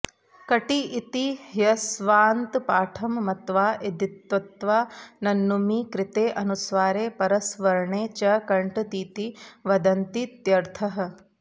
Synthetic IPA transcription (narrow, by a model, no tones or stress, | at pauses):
kɐʈiʔːt̪ijɐsʋaːnt̪paːʈʰɐmːɐt̪ʋaːʔed̪it̪ʋɐt̪ʋaːnɐnːumikɾɪt̪eːʔɐnusʋaːɾeːpɐɾɐsʋɐɾɳeːt͡ʃɐkɐɳʈt̪iːt̪iʋɐd̪ɐnt̪it̪jɐɾt̪ʰɐɦɐ̆